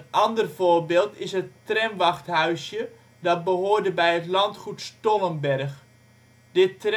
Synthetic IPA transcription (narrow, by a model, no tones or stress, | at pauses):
nʔɑndərvoːɹbeːlˠtɪsɦətrɛnʋɑχthœɥsjə | dɑt̚bəɦoːrdəbɛjətlɑntχutstolənbɛrx | d̥ɪt